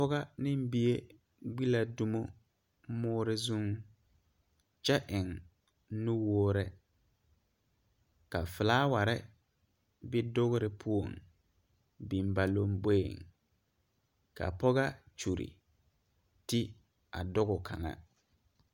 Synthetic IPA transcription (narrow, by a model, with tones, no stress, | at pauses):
pɔ˦ɣa˦nɪ̃˦m˦bi˦e˦ | ɡ͡bi˦la˨du˦mo˦ | mʊː˦ɾɪ˦zu˦ŋ | t͡ʃɛ˦ʔɪ˨ŋ | nu˦woː˦ɾɪ˦ | ka̰˨fɪ˨laː˦wa˨ɾɪ˦ | bɪ˦dʊ˦ɣɾɪ˦pʰu˦o˨ŋ | bi˨mba˨lo˦mbe˦˨ŋ | ka̰˨pɔ˦ɣa˦t͡ʃu˨ɾḭ˨ | tɪ˦ | a̰˨dʊ˦ɣʊ˨kʰa˨ŋa̰˨